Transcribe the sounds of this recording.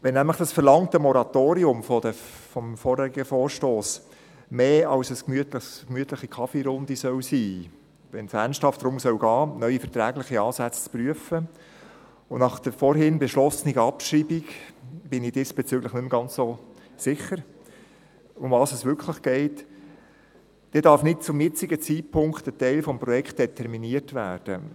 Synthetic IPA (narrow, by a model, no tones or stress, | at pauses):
ʋɛnæmləχd̥ɑsfəɾlɑŋtəmɔɾɑtoːɾiʊmfɔd̪əfɔmfɔːɾhɛɾiɡəfɔːɾʃtoːs | meːɑlsɛskmyətləχskmyətləχikʰɑfiɾʊndisœwsiː | ʋɛnsænsthɑftdɾʊmsœwɡɑːnœʏifɛtɾæːɡlɪχiɑːsæt͡st͡spɾyəfə | ʊnɑχd̥əfɔɾɦɪnbɛʃlɔsəniɡəɑpʃɾiːbiɡb̥ɪnɪd̥ɪsb̥et͡syɡləχnʏmɡ̥ɑnt͡sso | sɪχəɾ | ʊmvɑːsɛsʋʏɾkχləχɡ̥ɛɪt | d̥ɛːdɑɾfnɪt̚t͡sʊmjɪt͡sɪɡət͡siːtpʰʊŋktətɛɪlfɔmpɾɔjɛkt̚d̥ɛtʰɛɾminiətvæːd̥ə